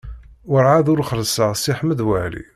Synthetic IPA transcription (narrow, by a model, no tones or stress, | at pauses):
ʊɾʕaðʊɾχəɾsəʁsiħməd̪wæʕlḭ